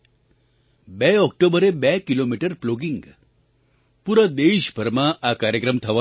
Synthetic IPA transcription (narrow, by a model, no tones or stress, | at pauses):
bɛɔk̚ʈobəɾebɛkilomiʈəɾploɡiŋɡ | puɾəd̪eɕbʱəɾmaʔakaɾjəkɾəmt̪ʰɐʋa